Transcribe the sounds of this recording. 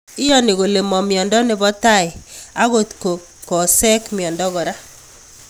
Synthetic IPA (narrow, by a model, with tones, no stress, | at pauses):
ɪ˦jɔ˦nɪ˨ɣo˨le˨mɔ˨mjɔ˨ndɔ˦nɪ˦bɔ˦ta˦˨ɪ˨a˦ɣo˦tko˨ | kɔ˨sɛ˦kmi˨ɔ˨ndɔ˦ɣɔ˨ɾa˦